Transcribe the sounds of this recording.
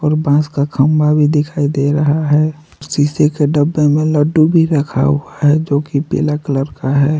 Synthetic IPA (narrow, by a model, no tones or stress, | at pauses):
ɔːɾbãːskakʰəmbabʱid̪ɪkʰaːid̪eɾəɦaɦɛ | ɔɾsiːsekeɖəbːemẽləɖubʱiɾəkʰa̰ɦuaɦɛd͡ʒoːkipḛːlakələɾkaɦɛː